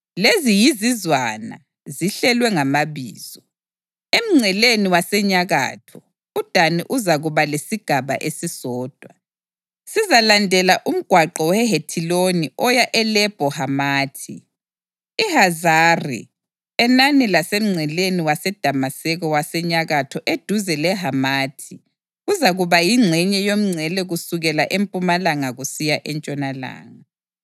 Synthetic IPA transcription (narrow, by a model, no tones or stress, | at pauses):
lezijizizwana̰ | ziɬɛlwɛŋamaβiːz̥ɔ | em̩ŋ͡ǀʱɛleniwasɛɲaɣa̰ːtʰɔ | ud̥ʱaniʔuzaɣuβalesiɡ̥ʱaβa̰ʔesisɔːd̥ʱwa | sizalandʱɛlaʔum̩ɡ̥ʱwaǃɔwɛɦetʰiloniʔɔjaʔɛlɛb̥ʱɔhamaːtʰi | ihazarḭ | ɛnanilasem̩ŋ͡ǀʱɛleniwasɛd̥ʱamasɛɣɔwasɛɲaɣatʰɔʔed̥ʱuzɛlɛɦamaːtʰi | ɣuzaɣuβajiŋ͡ǁʱɛɲɛjom̩ŋ͡ǀʱɛlɛɣusuɣɛlaʔempʼumalaŋaɣusijaʔɛnt͡ʃʼɔnala̰ːŋa